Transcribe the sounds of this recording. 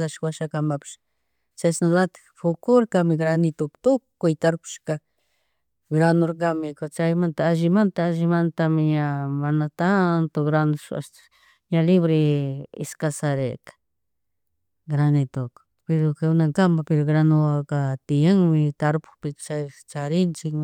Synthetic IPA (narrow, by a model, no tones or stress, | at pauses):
aʃwaʃakambapʃ | t͡ʃasnalat̪ | fukuɾkamiɡɾanit̪ukt̪ukkujt̪aɾpʃka | ɡɾanoɾk̬amikot͡ʃajmant̪aaʒimant̪aaʒimant̪amiɲamanat̪ant̪oɡɾanʊʃa̰ʃ | ɲaliβɾiḭskasaɾekḁ | ɡɾanit̪ok | peɾokeunakambapeɾoɡɾanuakat̪ijaŋmit̪aɾpu̥pit͡ʃat͡ʃaɾint͡ʃi